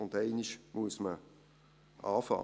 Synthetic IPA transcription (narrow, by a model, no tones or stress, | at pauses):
ʊndɛɪniʃmuəsmə | ʔɑ̰ːfɑ̰